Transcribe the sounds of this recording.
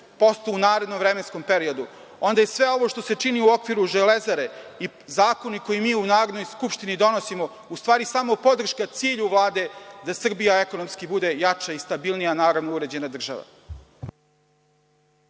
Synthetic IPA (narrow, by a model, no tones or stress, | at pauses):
po̞st̪uunaːɾe̞d̪nomvɾe̞mensko̞mpeɾio̞d̪u | o̞nd̪ajesʋe̞o̞ʋo̞ʃt̪o̞se̞t͡ʂiniuo̞kʋiɾuʒele̞zaɾe̞i | zaːko̞niko̞jimiːunaːɾod̪no̞jskupʃt̪inid̪o̞no̞simo̞ | ust̪ʋaːɾisamo̞po̞d̪r̩ʃkat̪siːʎuʋlˠaːd̪e̞d̪asr̩bijae̞ko̞nomskibud̪e̞jat͡ʃaist̪abilˠnijanaːɾod̪nouɾe̞d͡ʑe̞nad̪r̩ʒa̰ʋa̰